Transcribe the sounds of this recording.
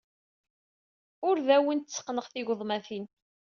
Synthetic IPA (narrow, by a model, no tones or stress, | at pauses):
ʊɾðæwint̪ːt͡sːə̥qːnəʁθiʝðˤmæθin